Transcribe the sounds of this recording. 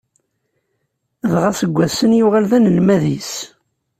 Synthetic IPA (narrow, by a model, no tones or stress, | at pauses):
ðʁasəɡʷːæsənjʊʁalðænəlmæðis